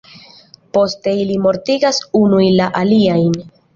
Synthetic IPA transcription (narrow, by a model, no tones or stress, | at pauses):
po̞ste̞ilimo̞ɾtiɡasunujlaʔaliajn